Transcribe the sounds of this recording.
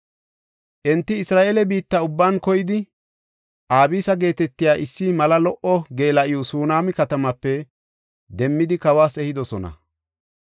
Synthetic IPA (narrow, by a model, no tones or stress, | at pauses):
ʔɛnt̪ːɪɪsɾaːʔelɛbiːt̪ːɐʊbːaːnkɔjɪd̪ɪ | ʔaːbiːsɐɡe̞ːt̪ɛt̪ːɪjaːʔɪsːɪmɐlɐlɔʔɔɡe̞ːlɐʔɪjɔsuːnaːmɪkɐt̪ɐmɐpːɛ | d̪ɛmːɪd̪ɪkɐwaːsɛhɪd̪ɔsɔnɐ̰